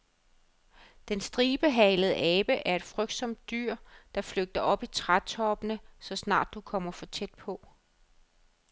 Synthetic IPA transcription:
d̥ensd̥ʁiːb̥əɦɛləð̩ˠəʔɛːb̥əʔæɐe̝d̥fʁœɡ̥̚d̥sɒ̽md̥̚ːyɐ̰d̥ɑ̈fløɡ̥̚d̥ɐʔɒ̽b̥it͡sʰʁḁt͡sʰɒ̽b̥ənəsɒ̽snɑ̰̈ːd̥ːukʰɒ̽m̰ɐfɒ̽t͡sʰed̥̚pʰɒ̽

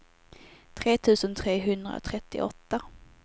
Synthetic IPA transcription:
t̪ʰɾeːt̪ʰʉ̟ːsənt̪ʰɾeːɦɵnd̪ɾa̰o̰t̪ʰɾɛt̪ːɪ̰ʔɔt̪ːa

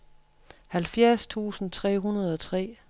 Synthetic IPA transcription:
hælfjæɐst͡sʰṵːsn̩t͡sʰʁɛ̰ːɦunɐð̞̩ˠɒ̽t͡sʰʁɛ̰ː

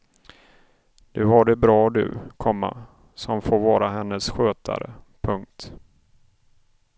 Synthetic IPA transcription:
d̪̥ɵɦaɖɛbɾɑːd̪ɵ̟̰kʰɔmːa̰ | sɔmfoːɾvɑːɾaɦɛnːəsɧøːt̪ʰa̰ɾə̰pʰɵŋk̚t̪

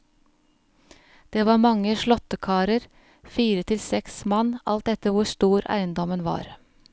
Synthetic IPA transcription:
d̪̥eːʋɑːɾmɑŋəʃɭɔt̪əkʰɑːɾəɾ | fiːɾət̪ʰɪlsɛksmɑnʔɑlt̪̚d̪ɛt̪əʋʊst̪uːɾæ̰ɪənd̪ɔmənʋɑ̰ːɾ

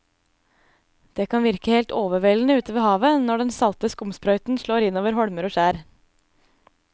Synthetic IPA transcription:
d̪̥eːkʰɑnʋɪɾkəheːlt̪oːʋəʋeːln̩əʉːt̪əʋeːhɑːʋənɔɖɛnsɑlt̪əskʊmspɾœʏt̪n̩ʃɭoːɾɪnːoːʋəɾhɔɽməɾoːʃæːɾ

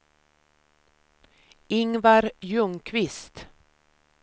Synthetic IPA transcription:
ɪŋvaɾjɵŋkʰvɪst̪

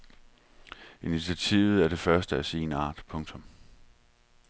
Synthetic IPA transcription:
init͡sʰiæt͡sʰiːʊð̞̩ˠæɐɾ̥e̝fɶɐsd̥əæse̝̰ːnɑ̰̈ːd̥pʰɔ̽ŋt͡sʰɔ̽m

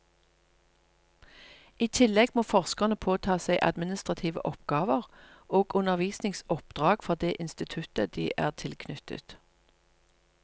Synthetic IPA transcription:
iːt̪ʰɪlɛɡmoːfɔʁskəʁnəpʰoːt̪ʰɑːsæɪʔɑ̰d̪mɪnɪst̪ʁɑt̪ʰiːʋə̰ʔɔpɡ̥ɑːʋəʁoːɡʉnəʁʋiːsnɪŋsɔpd̪̥ʁɑːɡ̥fɔd̪eːʔɪnst̪ɪt̪ʰʉt̪əd̪iːʔæːʁt̪ʰɪlkʰnʏt̪ə̰t̪

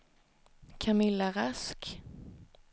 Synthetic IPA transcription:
kʰamɪlːaɾask

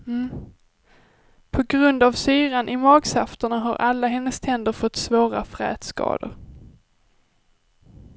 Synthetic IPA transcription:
pʰɔɡɾɵnd̪avsyːɾanʔɪmɑːɡsaft̪əɳaɦaɾʔalːaɦɛnːəst̪ʰɛnd̪əɾfɔt̪ːsvoːɾa̰fɾɛ̰ːt̪skɑ̰ːd̪ə̰ɾ

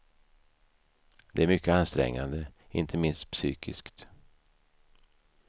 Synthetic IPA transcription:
d̪ɛæɾmʏkːəanst̪ɾɛ̰ŋːa̰nd̪ə | ɪ̰nt̪ʰəmɪnst̪̚psyːkʰɪskt̪

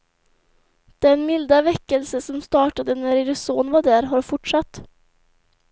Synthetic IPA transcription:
d̪̥ɛnmɪld̪avɛkːəlsəsɔmst̪ɑːʈad̪ənæɾɪɾsoːnvaɖæɾɦaɾfʊʈʂat̪ː

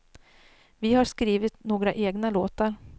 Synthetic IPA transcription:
vɪhaʂkɾiːvɪt̪noːɡɾaʔeːɡnaloːt̪aɾ

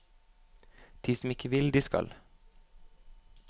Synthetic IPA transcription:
d̪̥ʰiːsm̩ɪkəʋɪld̪iːskɑ̰l

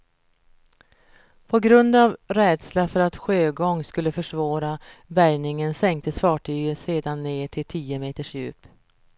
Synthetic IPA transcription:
pʰɔɡɾɵnd̪avɾɛːd̪slafœɾat̪ɧøːɡɔŋskɵlːəfœʂvɑːɾabæɾnɪŋənsɛŋk̚t̪ʰəsfɑːʈʰyːɡəseːd̪anːeːʈʰɪlt̪ʰiːəmeːt̪əʂjʉ̟̰ːp

